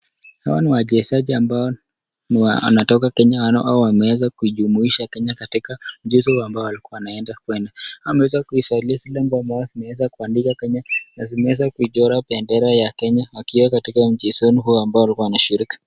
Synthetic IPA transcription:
hawa̰niwaʄɛsaʄiambaɔ | niwaa̰natɔkakɛɲaanʔaɔwamɛwɛzakuiʄumuiʃakɛɲakatikam̩ʄisɔhuambaɔalikuawanaɛndakwɛndawamɛwɛzakuifailiasilɛmbuambajɔzimɛwɛzakuandikakɛɲanazimɛwɛzakuiʄɔɾapɛndɛɾɛjakɛɲawakiwakatikam̩d͡ʒisɔniɦuambaɔalikuaanaʃiɾiki̥

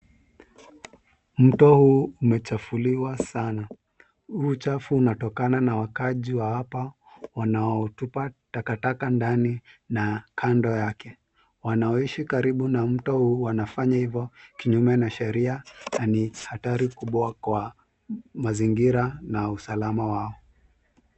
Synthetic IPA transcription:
m̩tɔhuːmɛt͡ʃafuliwasana | huːt͡ʃafuːnatɔkananawakaʄiwawapa | wanaɔtupatakatakandaninakʰandɔjakɛ | wanaɔiʃikaɾiɓunam̩tɔhuːwanafaɲahivjɔkiɲumɛnaʃɛɾiananihataɾikuɓwakwa | maziŋɡiɾanausalamawaɔ

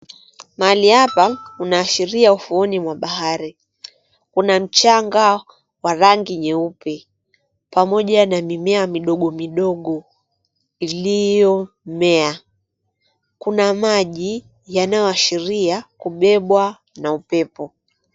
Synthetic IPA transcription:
maaliapaunaːʃiɾiaufuɔnimwaɓaɦaɾi | kunam̩t͡ʃaŋɡa | waɾaŋɡiɲɛupɛ | pamɔʄanamimɛamiɗɔɠɔmiɗɔɠɔ | ilijɔ | mɛa | kunamaʄi | janajɔaʃiɾiakuɓɛɓwa | naupɛpɔ

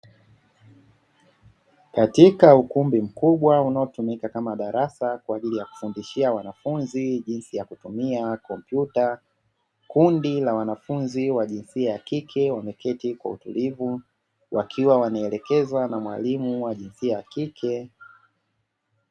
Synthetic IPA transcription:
katikaukumbim̩kuɓwaunaɔtumikakamaɗaɾasakwaːʄilijaku̥fundiʃiawanafunziʄinsijakutumiakɔmpjuta | kundilawanafunziwaʄinsiajakikʰɛwamɛkʰɛtikwa̰ṵtṵlivu | wʔa̰kʰiwawanaɛlɛkɛzwanamwa̰limuwaʄinsiajakikʰɛ

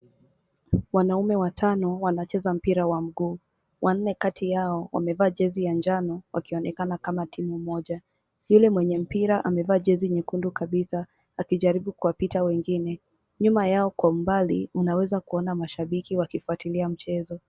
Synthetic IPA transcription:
wanaumɛwatʰanɔwanat͡ʃɛzam̩piɾawam̩ɡuː | wʔan̩nɛkatʰijaɔwa̰mɛvaːʄɛzijand͡ʒanɔwʔa̰kiɔnɛkanakamatimumɔʄa | julɛmwɛɲɛm̩piɾaʔamɛvaːʄɛziɲikundukaɓisa | akiʄaɾiɓukuwapitawɛŋɡinɛ | ɲumajaɔkwambalḭunawɛzakuɔnamaʃaɓikiwakifuatiliam̩t͡ʃɛzɔ

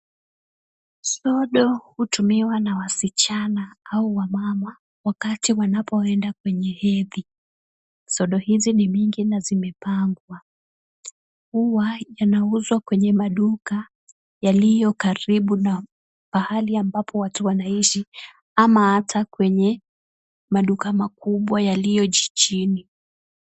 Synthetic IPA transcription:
sɔɗɔhutumiwanawasit͡ʃanaauwamama | wakatiwanapɔɛndak̚wɛɲɛhɛði | sɔɗɔhizinimiŋɡinazimɛpaŋɡwa | kuwajanauzwakwɛɲɛmaɗuka | jalijɔkaɾiɓuna | pahaliambapʰɔwatuwanaiʃi | amahatʰakwɛɲɛ | maɗukamakuɓwajalijɔʄit͡ʃini

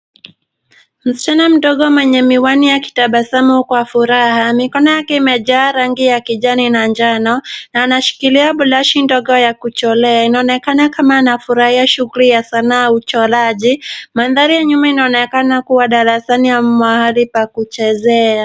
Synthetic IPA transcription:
m̩si̥t͡ʃanam̩ɗɔɠɔmwɛɲɛmiwanijaki̥taɓasamukwafuɾahamikɔnɔjakɛimɛʄaːɾaŋɡijakiʄaninaɲd͡ʒanɔnaːnaʃi̥kiliaɓulaʃindɔɡɔjakut͡ʃɔlɛainaɔnɛkanakamaːnafuɾahiaʃuɣulijasanaːut͡ʃɔlaʄimaðaɾijaɲumainaɔnɛkanakuwaɗaɾasaniamwahalipakut͡ʃɛzɛa

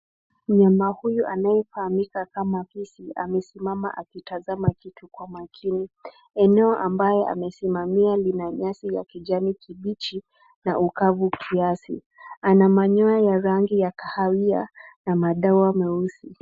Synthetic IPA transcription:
m̩ɲamahujuʔanajɛfahamikakamapisia̰mɛsimama̰ʔakitazamakitʰukwamakʰini | ɛnɛɔʔambajɔʔa̰mɛsimamialinaɲasija̰kiʄamikiɓit͡ʃi | na̰ʔukavukʰiasḭ | anamaɲɔajaɾaŋɡijakahawia̰namaɗauamɛusi

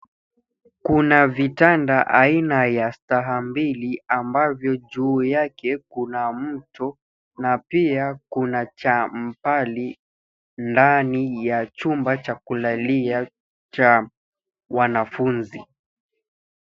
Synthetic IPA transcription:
kunavitandaʔainajastaɦambiliambavjɔʄuːjakɛkunam̩tɔ | napiakunat͡ʃam̩pali | ndanijat͡ʃumbat͡ʃakulalia | t͡ʃa | wanafunzi

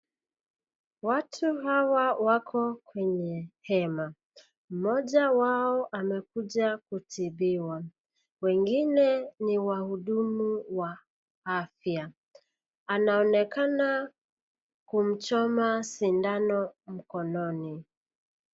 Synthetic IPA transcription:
watʰuhawawakʰɔkwɛɲɛhɛma | m̩mɔʄawaɔʔamɛkuʄakutiɓiwa | wɛŋɡinɛniwahuɗumuwa | afja | anaɔnɛkana | kum̩t͡ʃɔmasindanɔm̩kɔnɔni

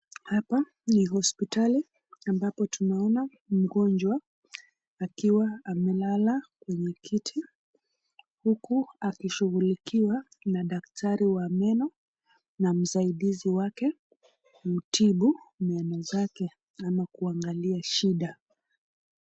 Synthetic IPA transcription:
hapa | niɦɔspitali | ambapɔtunaɔna | m̩ɡɔnd͡ʒwaː | kiwaːmɛlalakwɛɲɛkʰitʰi | hukuakiʃuɣulikiwa | naɗak̚tʰaɾiwamɛnɔ | nam̩saiɗiziwakɛ | utiɓumɛnɔzakɛ | amakuaŋɡaliaʃiɗa

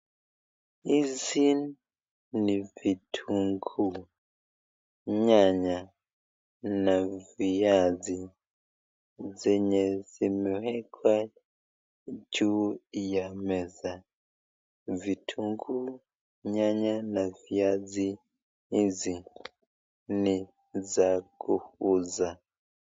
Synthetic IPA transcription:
izin | nivitʰuŋɡu | ɲaɲa | navijazi | zɛɲɛzimihɛkʰwa | d͡ʒujamɛza | vitʰuŋɡu | ɲaɲanaviazi | izi | ni | zakuhuza

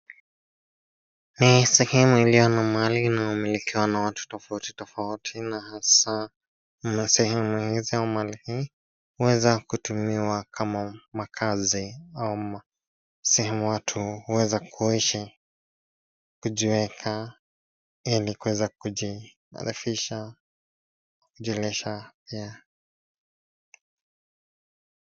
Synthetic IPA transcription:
nisɛhɛmuilijɔnamaliːnaumilikiwanawatu̥tɔfauti̥tɔfautʰinahasa | sɛhɛmuhiziaumalihi | huwɛzakutumiwakʰamamakʰaziau | sɛhɛmuwatʰuhuwɛzakʰuiʃi | kuʄiwɛkʰa | ilikuwɛzakui | a̰ɾifiʃa | kuʄɛlɛʃapia

